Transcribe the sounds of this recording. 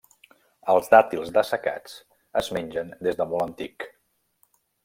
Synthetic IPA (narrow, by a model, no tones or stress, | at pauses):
əlˠzd̪at̪ilˠzd̪əsəka̰t͡s | əzmenʲʒənd̪ezðəmɔlˠənt̪ik